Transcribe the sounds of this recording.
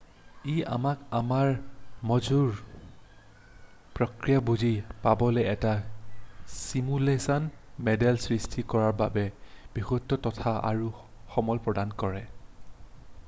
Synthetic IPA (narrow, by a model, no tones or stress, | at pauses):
iʔa̰makamaɹmɔzuɹ | pɹɔkɹijabuzipabɔlɛɛta | simulesɔnmɛdɛlsɹistʰikɔɹaɹbabɛb̥ixutːɔtɔtʰaa̰ɹu | xɔmɔlpɹɔdankɔɹɛ